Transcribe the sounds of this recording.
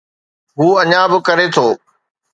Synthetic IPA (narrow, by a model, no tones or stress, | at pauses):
ɦuːɐɲãbɪkɐɾet̪ʰoː